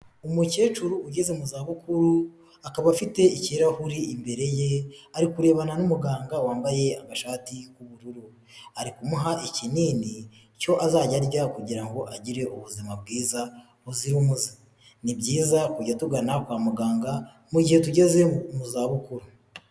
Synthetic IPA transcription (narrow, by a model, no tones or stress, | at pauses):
umuce̞ːt͡ʃuɾuuɟe̞ze̞muzaːβukuɾu | akaβafite̞iciɾahuɾiimbe̞ɾe̞jeaɾikuɾe̞ːβananumuɡaːŋɡawaːmbaje̞amaʃaːtikuβuɾuɾu | aɾikumuɦaʔiciniːni | co̞ʔazaːɟaɾɟakuɟiɾaŋɡo̞ʔaɟiɾe̞ʔuβuzimab̚ɡiːza | huziɾumuzi | nibɟiːzakuɟatuɡanakwaːmuɡaːŋɡa | muɟihe̞t̬uɟe̞ze̞muzaːβukuɾu